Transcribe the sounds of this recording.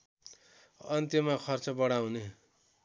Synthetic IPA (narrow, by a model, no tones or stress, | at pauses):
ʌnt̪imakʰʌrt͡sʌbʌɽaw̃ne